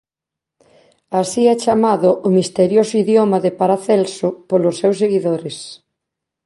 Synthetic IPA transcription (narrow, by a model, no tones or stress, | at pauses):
asiɛt͡ʃamaðʊʔʊmist̪eɾjosoiðjomaðepaɾaθɛlsopolosːewsːeɣiðoɾɪs